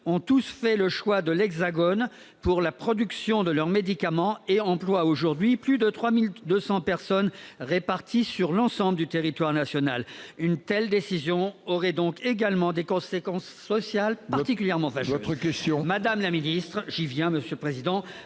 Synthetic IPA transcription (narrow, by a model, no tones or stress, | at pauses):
ɔ̃t̪usfɛləʃwad̪əlɛɡzaɡɔn | puʁlapχɔd̪yksjɔ̃d̪əlœʁmed̪ikamɑ̃eɑ̃plwaoʒuʁd̪ɥiplyd̪ət̪χwamild̪øsɑ̃pɛʁsɔnʁepaʁt̪ʰisyʁlɑ̃sɑ̃bləd̪yt̪eʁit̪waʁnasjɔnalynt̪ɛld̪esizjɔ̃ɔʁɛd̪ɔ̃keɡalmɑ̃d̪ekɔ̃sekɑ̃sːɔsjalpaʁt̪ikʲyljɛʁmɑ̃vaʒɔəkɛst̪jɔ̃mad̪amlaminist̪χʒivjɛ̃məsjøləpχezid̪ɑ̃